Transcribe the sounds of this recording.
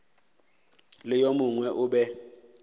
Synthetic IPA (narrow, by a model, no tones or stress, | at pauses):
lɪjomʊŋwɛʔʊɓɛ